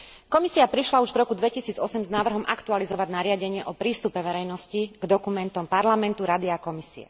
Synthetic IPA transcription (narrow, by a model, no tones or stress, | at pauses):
kɔmisiapɾiʃlauʒvɾɔkud̪ʋɛcisiːd͡zɔsɛmznaːʋr̩ɦɔmʔakt̪ualizɔʋaɟnaɾɪaɟɛɲɪɛʔɔpɾiːst̪upɛʋɛɾɛjnɔsciɡd̪ɔkumɛnt̪ɔmpaɾlamɛnt̪uɾad̪iakɔmisḭɛ̰